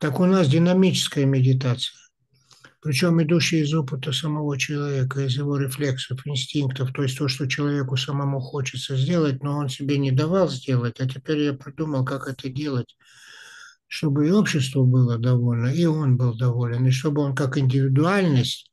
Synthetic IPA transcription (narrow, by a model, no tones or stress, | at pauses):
t̪akʊnas̬dʲɪnɐmʲit͡ɕɪ̥skəjəmʲɪdʲɪt̪̬at̪sɨ̥jə | pɾʲɪt͡ɕo̞mɪd̪uɕːɪjɪzo̞pɨt̪əsəmɐvo̞t͡ɕɪlˠɐvʲe̞kəɪzjɪvo̞ɾʲɪflʲe̞ksəfɪnsʲtʲinkt̪əft̪o̞ɪsʲt̪o̞ʂt̪ot͡ɕɪlˠɐvʲe̞kʊsəmɐmuxo̞t͡ɕɪt̪səzʲdʲe̞lˠət̚ʲno̞o̞nsʲɪbʲenʲɪd̪ɐvalˠzʲdʲe̞lˠətʲatʲɪpʲeɾʲjapɾʲɪd̪uməlˠkakɛt̪ədʲe̞lˠətʲ | ʂt̪o̞bɨo̞pɕːɪs̬t̪vəbɨlˠəd̪ɐvo̞lʲnəio̞nbɨlˠd̪ɐvo̞lʲɪnɪʂ̬t̪o̞bɨo̞nkakɪnʲdʲɪvʲɪd̪ʊalʲnəsʲtʲ